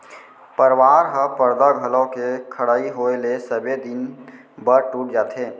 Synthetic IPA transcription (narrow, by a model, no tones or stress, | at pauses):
pəɾwaːɾɦəpəɾd̪aɡʱəlõkekʰəɽaːiɦoːelesəbed̪ɪn | bəɾʈuːʈ̚d͡ʒaːt̪ɦeː